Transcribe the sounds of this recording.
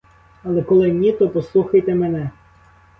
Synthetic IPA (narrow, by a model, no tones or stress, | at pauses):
ɐlˠɛkɔlˠɪnʲit̪ɔpɔslˠuxɐjt̪emenɛ